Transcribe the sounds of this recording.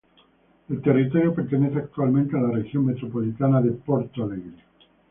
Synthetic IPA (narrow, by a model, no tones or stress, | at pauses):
elt̪e̞rit̪o̞ɾjope̞ɾt̪ene̞θeak̚t̪ualmẽnt̪ealarexjo̞ŋme̞t̪ɾo̞po̞lit̪anaðe̞poɾt̪aleɣɾo